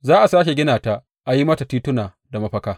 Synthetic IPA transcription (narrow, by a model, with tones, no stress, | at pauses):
zaː˦ʔa˨saː˦ʃ̬e˨ɡʲɪ˦naː˨ta˦ | ʔa˨ji˦mɐ˦ta˨tiː˦tʊ˦naː˨ | da˨mɐ˦ɸɐ˦kaː˦